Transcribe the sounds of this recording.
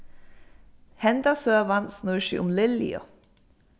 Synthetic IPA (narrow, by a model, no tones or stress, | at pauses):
hɛnd̪ɑsøːʋɑnsnuːʃḭʔʊmlɪlḭo̰